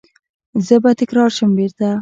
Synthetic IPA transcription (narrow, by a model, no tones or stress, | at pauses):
zəbat̪ɪkɾɑɾʃəmbeɾt̪a